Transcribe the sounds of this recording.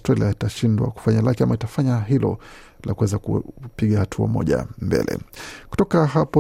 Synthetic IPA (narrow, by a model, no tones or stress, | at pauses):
stɾaliaitaʃindwa̰ku̥faɲalakiamaitafaɲaɦilɔ | lakuwɛzakupiɠahatʰua̰mɔ̰ʄa̰mbɛ̰lɛ̰ku̥tɔkaɦapɔ